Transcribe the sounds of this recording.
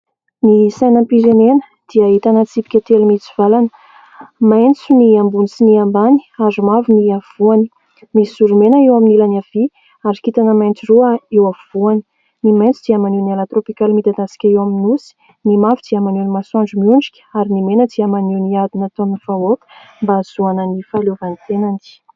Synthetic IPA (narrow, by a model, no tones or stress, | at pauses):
nisajnəmpiɾenenə̥ | d̪̥iaɦit̪anət͡sipi̥kʲət̪elmit͡siv̥alanə̥ | majnt͡suniambunisiniambani̥azumavuniav̥uani | misuɾumenəewaminilanav̥i | aɾikit̪anəmajnt͡siruəewav̥uani̥ | nimajnt͡sud̪iamanunalat̪ropikalmid̪ad̪asi̥kʲaewaminusi̥ | nimavd̪̥iamanunimasãɳd͡ʒumiuɳd͡ʒikʲə̥aɾinimenəd̪iamanuniad̪inat̪onv̥aok̪mbaz̥uanənifalovanit̪enand̪i̥